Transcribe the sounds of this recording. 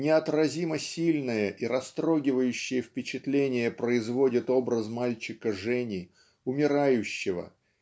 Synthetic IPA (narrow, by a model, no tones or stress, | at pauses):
nʲɪɐt̪rɐzʲiməsʲilʲnəjəʔiɾɐst̪ɾo̞ɡʲɪvəjʉɕːɪjəfpʲɪt͡ɕɪt̪lʲenʲɪjəpɾəɪzvo̞dʲɪt̪o̞bɾəzmalʲt͡ɕɪkəʐɛnʲɪ | ʊmʲɪɾajʉɕːɪvə̰